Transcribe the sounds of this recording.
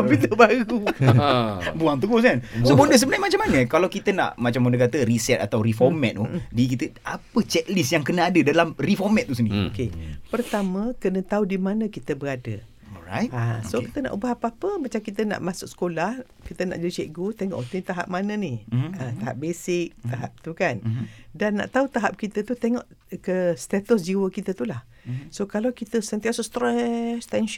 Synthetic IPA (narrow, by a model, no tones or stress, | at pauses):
pit̪əbaɾu | buaŋt̪əɡʊs̬kansobondəs̬əbənajmat͡ʃamanəkalawkit̪əna̰ʔmat͡ʃambondəkat̪əɾisɛt̪̚at̪awɾifɔmɛ̃t̪̚udik̬it̪əapət͡ʃɛʔ̚lisjaŋkənaadədalamrifɔmɛ̃t̪̚ːusənio̰kepərt̪amə̃kənə̃t̪audimanə̃kit̪əbəɾadə̰ | a̰tasokit̪əna̰ʔubaɦapapəmat͡ʃamkit̪əna̰ʔmãsʊk̚sə̥kolah | kit̪əna̰ʔd͡ʒadit͡ʃeʔɡut̪eŋɔ̰ʔt̪ənit̪aɦap̚manə̃nihət̪aɦa̰p̚besɪk̚t̪aɦap̚t̪ukandanːa̰ʔt̪aut̪aɦap̚kit̪ət̪ut̪eŋɔʔ | kəst̪at̪us̬d͡ʒiwəkit̪ət̪ulah | sokalawkit̪əsənt̪iasuʔst̪ɾɛst̪ɛnʃ